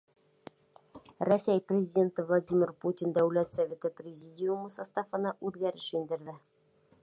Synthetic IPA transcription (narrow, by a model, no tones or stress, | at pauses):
rɐsʲæjprʲɪzʲɪdʲe̞nt̪ɤvlˠadʲimʲɪrputʲɪnd̪æwlæt̪sɐvʲe̞t̪ɤprʲɪzʲidʲijumɤsast̪ɑfɤ̆nɑʔʉðɡæɾɘʃjind̪ɘ̆ɾðɘ